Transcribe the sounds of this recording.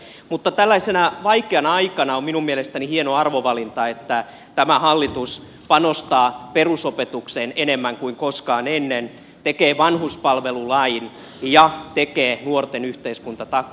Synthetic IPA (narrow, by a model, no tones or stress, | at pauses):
mut̪ːɑt̪ælːæisenɑʋɑikeɑnɑɑikɑnɑomminummielest̪ænihienoɑrʋoʋɑlint̪ɑet̪ːæ | t̪æmæhɑlːit̪us | pɑnost̪ɑːperusopet̪uksenenemːæŋkuiŋkoskɑːnenːen | t̪ekeːʋɑnhuspɑlʋelulɑin | jɑt̪ekeːnuort̪enyht̪eiskunt̪ɑt̪ɑkː